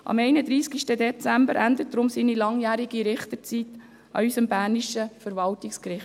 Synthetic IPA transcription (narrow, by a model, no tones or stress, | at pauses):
ʔɑ̰mɛɪnəd̪ɾiːskiʃtədɛt͡sæmbəɾʔænd̪ət̚d̥̪ɾʊmsiːnilɑŋjæːɾiɡiɾɪχt̪əɾt͡sit | ɑ̰ysəmbæːniʃəfəɾvɑltɪkskɾɪχt